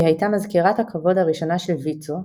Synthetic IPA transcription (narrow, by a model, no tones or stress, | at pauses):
ihajtamazkiʁathakʰavo̞dhaʁiʃo̞naʃelvit͡so